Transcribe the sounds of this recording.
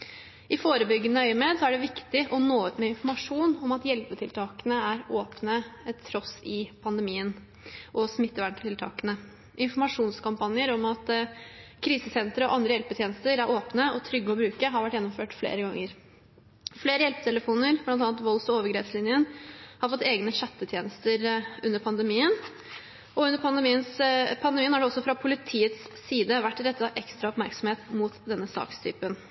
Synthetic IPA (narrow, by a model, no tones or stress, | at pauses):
ʔɪfoːɾəbʏɡːənəœʏmet̪sɔæɖɛʋɪkt̪ɪʔɔnoːʉt̪mɛɪnfɔɾmɑʂuːnɔmɑt̪jɛlpət̪ʰɪlt̪ʰɑːkənəæɾoːpnəɛt̪ʰːɾɔsɪpʰɑnd̪əmiːən | ʔɔsmɪt̪ːəʋæɳʈ̪ʰɪlt̪ʰɑ̰ːkənə | ʔɪnfɔɾmɑʂuːnskɑmpɑnɪəɾɔmɑt̪ | kʰɾiːsəsɛnt̪ɾəɔ̰ʔɑnd̪ɾəjɛlpət̪ʰjeːnəst̪əɾæɾʔoːpnəɔt̪ʰɾʏɡːəɔbɾʉːkəɦɑɾʋæʈːjɛnːʊmføːʈflḛːɾəɡɑŋːəɾ | fleːɾəjɛlpət̪ʰɛləfuːnəɾb̥lɑnt̪ɑːnt̪ʋɔlsɔoːʋəɾɡɾeːpslɪnjənhɑɾfɔt̪ːeːɡnəɕɛt̪ːət̪ʰjeːnəst̪əɾʉnːəɾpʰɑnd̪əmiːən | ʔɔʉnːəɾpʰɑnd̪ɛmiːənspʰɑnd̪ɛmiːənhɑɖɛɔsːɔfɾɑpʰʊlɪt̪ʰiːət̪sːiːd̪əʋæʈːɾɛt̪ːət̪ʰɑʔɛkst̪ɾɑɔpmæɾksɔm̩heːt̪muːt̪d̪ɛnːəsɑ̰ːkst̪ʰy̰ːpən